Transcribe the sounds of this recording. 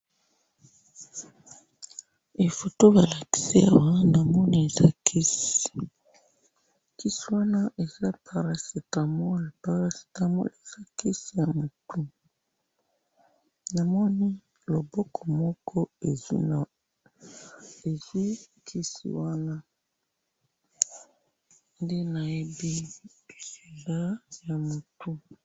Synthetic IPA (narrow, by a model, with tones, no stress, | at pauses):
e˨fo˨to˦ba˨la˨ki̥˨si˦a̰˨wa˦na˨mɔ˦ni˦e˨za˦kʰi˦si | ki˦si˦wa˦na˦ʔe˨za˦pʰa˨ɾa˨si˨ta˨mɔ˦a˨pa˨ʁa˦si̥˨ta˦mɔ̰˦e˨z̥a˦ki˦si˨ja˨mo˨tu˦ | na˨mɔ˦ni˦ | lo˨bɔ˦kʰɔ˨mɔ˦kʰɔ˦e˨zḭ˦˨ | e˨zi˦kʰi˦sḭ˨wa˦na˦ | nde˦na˨e˦bi˦˨se˨za˦ja˨mo˨tu˦